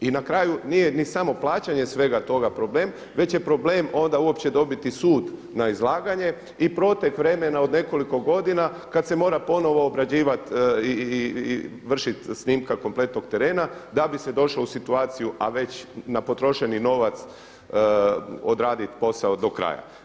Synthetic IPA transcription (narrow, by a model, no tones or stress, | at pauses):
inakɾaːjunije̞nisamo̞plˠaːt͡ɕaɲe̞sʋe̞ɡat̪o̞ɡapɾo̞ble̞ːm | ʋe̞t͡ɕje̞pɾo̞bleːmo̞nd̪auo̞pt͡ɕe̞d̪o̞bit̪isuːd̪ | naizlˠaːɡaɲe̞ | ipɾo̞ːt̪ekʋɾe̞me̞nao̞d̪ne̞ko̞liko̞ɡo̞d̪ina | kat̪se̞mo̞ːɾapo̞no̞ʋo̞ːbɾad͡ʑiːʋat̪i | ʋr̩ʃit̪snimkako̞mple̞t̪noɡt̪e̞ɾe̞ːnad̪abise̞d̪o̞ʃlousit̪uaːt̪sijuʔa̰ʋe̞t͡ɕnapo̞t̪ɾo̞ʃe̞nino̞ʋat̪s | od̪ɾaːd̪it̪po̞sao̞d̪o̞kɾa̰ːja̰